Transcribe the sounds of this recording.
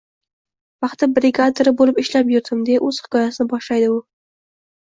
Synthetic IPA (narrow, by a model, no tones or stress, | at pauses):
vɑχt̪ɪbɾɪɡat̪ʰoɾɪbolɪpɪʃlapjʊɾd̪ɪmd̪eʔɵz̥hɪ̥kʰɒjasɪnɪbɒʃlajd̪ɪʊ